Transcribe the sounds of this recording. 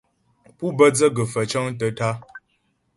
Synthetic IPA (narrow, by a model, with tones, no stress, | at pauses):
pu˦bə˦d͡zə˦ɡə˨fə˨t͡ʃɔ˦ŋt̬ə˨ta˦